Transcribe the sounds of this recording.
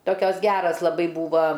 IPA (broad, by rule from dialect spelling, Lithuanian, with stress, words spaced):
ˈtoːkʲoːs ˈɡʲæːrɐs lˠɐˈbɐɪ ˈbuːʋɐ